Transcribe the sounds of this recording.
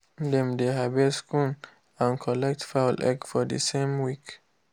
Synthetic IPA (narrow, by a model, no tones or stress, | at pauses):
dɛ̃md̪eɦabɛskʰũn | ãnkʰɔlɛk̚tfaʊlʔɛ̰kfɔdə̰sẽmwik